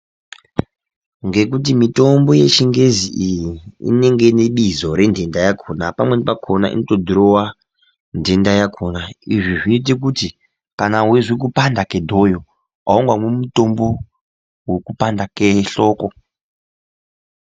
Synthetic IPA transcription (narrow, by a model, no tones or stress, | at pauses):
ŋɡe̞k̬ut̬imito̞mbo̞je̞t͡ʃiŋɡe̞ziʔijiḭne̞ŋɡe̞neɓizoɾe̞ndʱendajakʰoːnapamwenepakʰonaʔḭnotodʱiɾowa | ndʱe̞ndajakʰonaiʐiʐiːt̬ik̬uti | kanaɦweʐwik̬upandakedʱojo | aoŋɡwamumutombo̞ | wekupandakeɬoːko